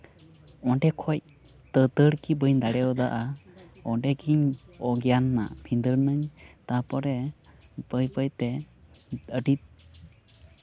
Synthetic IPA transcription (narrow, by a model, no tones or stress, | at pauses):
ɔɳɖɛkʰɔc̚ | t̪ət̪əɽkibəɲd̪aɽɛɔd̪aʔaɔɳɖɛkʰiɲɔɡijanːa̰bʰʱind̪əɽnəɲt̪apɔɾɛbəjpəjt̪ɛ | əʈit̪̚